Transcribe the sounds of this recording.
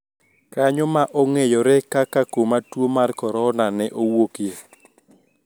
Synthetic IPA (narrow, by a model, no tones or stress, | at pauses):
kaɲɔmaʔoŋejɔɾɛkakakomatwomarkɔɾɔnanɛʔowoke